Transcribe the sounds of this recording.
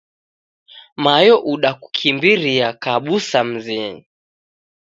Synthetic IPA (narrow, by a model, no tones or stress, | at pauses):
majɔʔuɗaku̥kʰimbiɾiakaɓusam̩zini